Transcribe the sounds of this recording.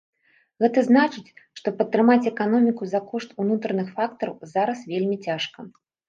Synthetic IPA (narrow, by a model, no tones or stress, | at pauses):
ɣɛt̪ɐznat͡ʂɨt͡sʲʂt̪ɔpɐt̪ːɾɨmat͡sʲɛkanɔmʲikuzakɔʂt̪unut̪ɾɐnɨxfakt̪ɐɾɐwzaɾɐsvʲelʲmʲit͡sʲaʂkɐ